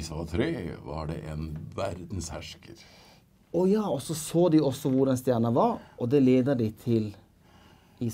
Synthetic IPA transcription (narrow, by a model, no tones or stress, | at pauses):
sʋɑt̪ʰɾeːʋɑ̰ɖɛ̰ʔɛnʋæɾd̪n̩shæʂkəɾ | ɔjɑːɔsɔsoːd̪ɪɔsːɔʋʊɾɛnst̪jæːɳəʋɑɾʔɔd̪ɛleːd̪əɖɪt̪ʰɪl | i